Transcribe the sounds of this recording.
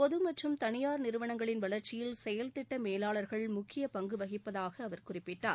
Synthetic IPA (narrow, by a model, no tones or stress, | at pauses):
pɔðɯmɐʈrɯmt̪ɐɳɪjaːɾnɪɾɯʋɐɳɐŋɡɐɭɪnʋɐɭɐɾt͡ʃːɪjɪlsɛjɐlt̪ɪʈːɐmeːlaːɭɐɾɣɐɭmʊkʰːɪjɐpɐŋɡɯʋɐɣɪpːɐðaːɣɐːʋɐɾkʊrɪpːɪʈːa̰ːɾ